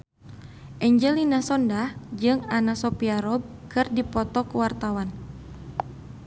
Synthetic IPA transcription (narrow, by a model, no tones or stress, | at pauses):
ʔɛɲd͡ʒɛlinasɔndad͡ʒɨŋanasɔpiaɾɔb̚ | kɨrdipɔt̪ɔkuwart̪awan